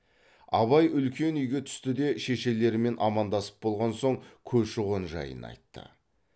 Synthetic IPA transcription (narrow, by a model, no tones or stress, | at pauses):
ɑ̰βɑjʏlkʲe̞nʏjɡʲe̞t̪ʰʏ̥st̪ɪd̪e̞ʃe̞ʃe̞le̞ɾɪme̞nʔɑmɑnd̪ɑsə̥p̚bo̞lˠʁɑnso̞ŋkʲʰɵzʃʊʁonʒɑ̰jə̰nɑ̰jt̪ːə̰